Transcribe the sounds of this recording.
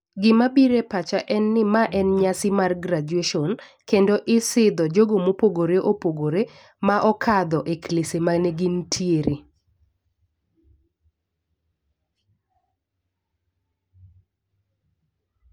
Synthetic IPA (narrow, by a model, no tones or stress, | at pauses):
ɡɪmabiɾepat͡ʃaʔɛnːɪmaʔɛnɲasɪmarɡɾad͡ʒweʃɔn | kendoʔɪsɪd̪ɔd͡ʒoɡomopoɡoɾeʔopoɡoɾe | maʔɔkʰad̪ɔʔeklesemanɛɡɪntʰjeɾe